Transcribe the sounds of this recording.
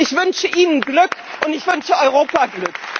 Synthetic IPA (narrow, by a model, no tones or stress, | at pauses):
ɪçv̥ʏnʃəʔiːnənɡlʏkʔʊntɪçv̥ʏnʃəɔʏʁoːpaɡlʏk